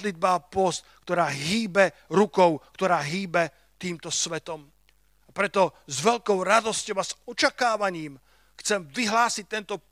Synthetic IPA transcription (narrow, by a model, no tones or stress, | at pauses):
lid̪̚baːpɔst̪kt̪ɔɾaːɦiːbɛɾukɔʊkt̪ɔɾaːɦiːbɛ | t̪iːmt̪ɔsʋɛt̪ɔm | apɾɛt̪ɔzʋɛʎkɔʊɾad̪ɔscɔʊazɔt͡ʃakaːʋaɲiːm | xt͡sɛmʋiɦlaːsic̚t̪ɛnt̪ɔ